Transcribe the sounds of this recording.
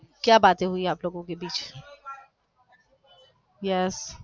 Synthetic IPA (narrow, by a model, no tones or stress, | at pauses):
kjaːbaːt̪ẽɦʊiaːploːɡõkebiːt͡ʃ | jɛs